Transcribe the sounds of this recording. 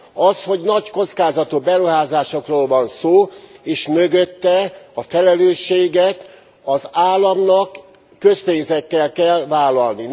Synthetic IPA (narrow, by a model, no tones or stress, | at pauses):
ɒsho̞ɟnɒcko̞t̪skaːzɒt̪obɛɾuɦaːzaːʃo̞kroːlvɒnsoːeːʃmøɡøt̪ːɛɒfɛlɛløːʃːeːɡɛt̪ | ɒzaːlːɒmnɒkː | ø̞speːnzɛkːɛlkɛlvaːlːɒlni